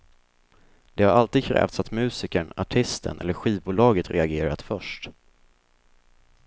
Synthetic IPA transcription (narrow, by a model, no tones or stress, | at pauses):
d̪̥ɛhaɾalt̪iːd̪̚kʰɾɛ̰ːft̪sat̪mʉ̟ːsɪkəɳaʈʰɪst̪ʰə̰nʔɛ̰lːəɾɧiːvbuːlɑːɡət̪ɾʔɛaɡeːɾa̰t̪fœʂʈ